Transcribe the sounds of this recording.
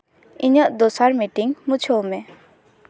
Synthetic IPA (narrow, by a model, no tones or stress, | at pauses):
iɲəʔd̪ɔsaɾmiʈiŋmut͡ʃʰɔmɛ